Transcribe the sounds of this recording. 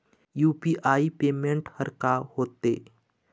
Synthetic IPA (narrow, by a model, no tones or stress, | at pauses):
juːpiʔaːipeːmẽɳʈhəɾkahoːt̪ḛː